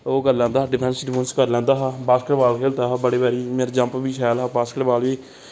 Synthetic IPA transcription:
oːɡəlːɛ̃ːnd̪aːɖɪpʰɛ̃ːnsɖɪpõːnskəɾlɛ̃ːnd̪aːɦaːbaːskəʈbaːlkʰeːlt̪aːɦaːbəɽeːbəːɾiːmeːɾd͡ʒə̃mpbiːʃʰɛːlɦaːbaːskəʈbaːlʋiː

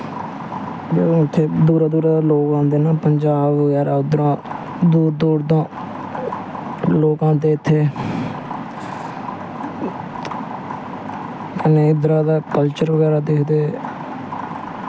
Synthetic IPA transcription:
bẽːɪt̪ʰːeːd̪uːɾaːd̪uːɾaːd̪aːloːkãːnd̪eːnaːpəɲd͡ʒaːbʋəɡɛːɾaːʊd̪ɾãː | d̪uːɾd̪uːɾd̪ãː | loːkãːt̪̬eːɪt̪ʰːeː | kəneːʊd̪ɾãːd̪aːkəlt͡ʃəɾʋəɡɛːɾaːd̪eːkʰd̪eː

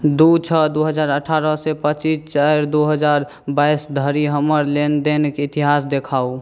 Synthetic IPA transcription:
d̪ut͡ʃʰəd̪uɦəd͡ʒaːɾəʈʰaɾəsepət͡ʃist͡ʃəɾd̪oɦəd͡ʒaɾ | baisd̪ʱəɾiɦəməɾlend̪enkeɪt̪iɦasd̪ekʰau

